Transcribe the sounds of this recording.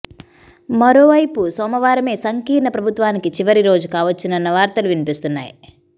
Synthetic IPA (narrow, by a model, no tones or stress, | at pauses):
mɐɾo̞ːʋɐjpusɔːmɐʋaːɾɐme̞ːsɐŋkiːɾɳɐpɾɐbʱut̪ʋaːnikit͡ʃiʋɐɾiɾo̞ːd͡ʒukaːʋɐt͡ʃːinɐnːɐʋaːɾt̪ɐluʋinipist̪unːa̰ːji